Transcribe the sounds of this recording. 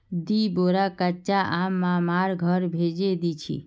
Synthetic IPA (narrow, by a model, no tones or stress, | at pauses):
d̪iboɾakət͡ʃaʔamːãmaɾɡʱəɾbʱed͡ʒed̪it͡ʃʰḭ